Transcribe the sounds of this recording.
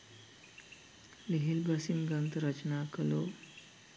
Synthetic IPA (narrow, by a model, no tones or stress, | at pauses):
liɦilbasimɡənt̪ɾət͡ɕnakəlo